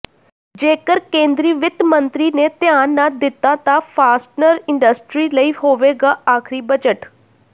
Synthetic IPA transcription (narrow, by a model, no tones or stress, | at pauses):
d͡ʒeːkəɾkẽːnd̪ɾiːʋɪt̪mənt̪ɾiːneːt̪ɪjaːnːaːd̪ɪt̪ːaːt̪ãːpʰaːsʈnəɾɪɳɖəsʈɾiːləiːhoːʋeːɡaːaːkʰɾiːbəd͡ʒəʈ